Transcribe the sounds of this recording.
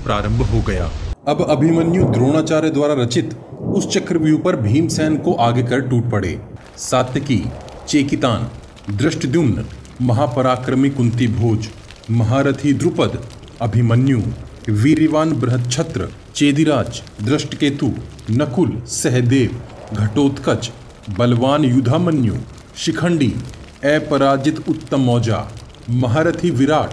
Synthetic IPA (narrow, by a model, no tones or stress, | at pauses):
pɾaːɾə̃mbʱɦoɡɐja̰ːɐbɐbʱimɐnjud̪ɾoːɽ̃aːt͡ʃaːɾjed̪waːɾaɾɐt͡ʃɪt̪ʊst͡ʃɐkɾəʋjupɐɾbʱiːmsɛːnkoʔaːɡekɐɾʈuːʈ̚pɐɽḛː | saːt̪jəkit͡ʃeːkɪt̪aːn | d̪ɾɪʃʈəd̪jumnə | mɐɦaːpɐɾaːkɾəmikʊ̃nt̪ibʱoːd͡ʒ | mɐɦaːɾɐt̪ʰid̪ɾʊpəd̪ | ɐbʱimɐnjuː | ʋiɾiʋaːnbɾɐɦɐt̪̚t͡ʃʰɐt̪ɾə̰ | t͡ʃeːd̪iɾaːd͡ʒd̪ɾɐʃʈəkeːt̪uː | nɐkulsɛɦd̪eːʋɡʱɐʈoːt̪kɐt͡ʃ | bɐlʋaːnjud̪ʱaːmɐnjṵː | ʃikʰɐɳɖḭː | ɛːpɐɾaːd͡ʒit̪ʊt̪ːɐmːɔːd͡ʒa̰ː | mɐɦaːɾɐt̪ʰiːʋiɾaːʈ̚ʰ